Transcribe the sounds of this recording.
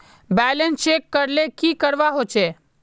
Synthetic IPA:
bɛlənst͡ʃekːəɾlekikəɾʋaɦot͡ʃʰe

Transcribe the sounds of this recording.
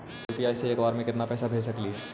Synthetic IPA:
juːpiaːjseeːkbaːɾmẽkɪt̪napɛːsabʱeːd͡ʒsɐkliː

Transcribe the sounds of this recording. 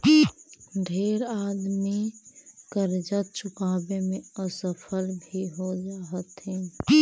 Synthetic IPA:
ɖʱeːɾaːd̪mikəɾd͡ʒət̪̚t͡ʃʊkaːbemẽəsəpʰəlbʱiɦod͡ʒaːɦət̪ɦɛː

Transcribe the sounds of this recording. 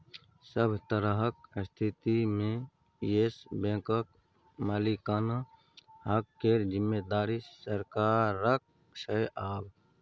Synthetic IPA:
səbʱt̪əɾəɦəkst̪ʰit̪imẽ | jesbẽkək̚ | maːlikan | hakːeːɾd͡ʒɪmːed̪aːɾisəɾkaːɾːək̚ʰ | sʰəjʔaːb

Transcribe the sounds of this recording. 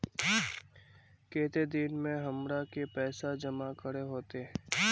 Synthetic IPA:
keːt̪ed̪ɪnmẽɦɐmɾakepɛːsad͡ʒəmakəɽeɦoːt̪eɦ

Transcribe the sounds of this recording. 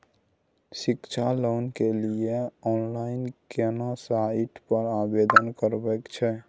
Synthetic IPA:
sikt͡ʃʰalonkelieɔnlainkenasaiʈpəɾabed̪ənkəɾbɛkt͡ʃʰɛ

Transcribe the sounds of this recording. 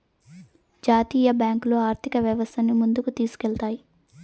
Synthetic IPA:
d͡ʒaːt̪iːjɐbjaːŋklo̞ːaːɾt̪ʰikɐʋjɐʋɐst̪ʰɐnːimund̪ukut̪iːsu̥kɛlt̪aːji

